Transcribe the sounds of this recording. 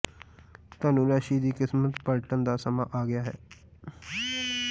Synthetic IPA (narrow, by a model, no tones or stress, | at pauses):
t̪aːnũːɾaːʃiːd̪iːkɪsmət̪pəlʈənd̪aːsəmãːʔaːɡɪjaːɦɛ̰ː